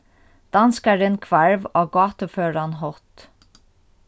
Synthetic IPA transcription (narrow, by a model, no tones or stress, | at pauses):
d̪̥ɑnskɑɾɪnkʰʋæɹʋɑːɡɑːt̪əføːɹɑnhɔt̪